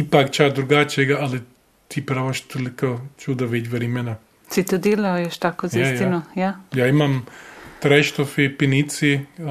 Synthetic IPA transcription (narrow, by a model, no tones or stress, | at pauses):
ipakt͡ʃad̪ɾuɡaːt͡ʃjeɡaali | t̪ʰipɾaːʋaʃt̪ʰolikot͡ʃuːd̪aʋet͡ʃʋɐɾimɛna | sit̪od̪eːlaojɛʃt̪aːkoziasjtinojajaːimamt̪ɾajʃt̪ofipinit̪si